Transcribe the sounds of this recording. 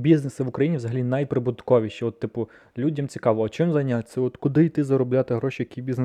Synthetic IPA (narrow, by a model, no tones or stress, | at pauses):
bʲiznesɐʋʊkɾɐjinʲiʋzɐɦɐlʲinɐjpɾɪbʊd̪kɔʋʲiʃɛɔt̪ːɪpʊ | lʲudʲɐmt͡sʲi̥kɑʋɔɐt͡ʃɪmzɐjnʲːasʲɛɔt̪kʊd̪ɪjt̪ɪzɐɾʊblʲat̪ɪɦɾɔʃʲijɐkʲibʲizn